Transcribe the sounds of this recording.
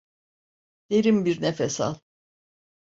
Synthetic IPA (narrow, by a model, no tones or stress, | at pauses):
d̪̥eɾimbiɾnefesa̰lˠ